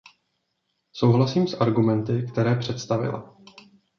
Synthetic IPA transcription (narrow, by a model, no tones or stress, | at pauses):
so̞wɦlasiːmsʔaɾɡumɛnt̪ɪkt̪ɛɾɛːpr̝̥ɛt̪st̪avɪ̰la̰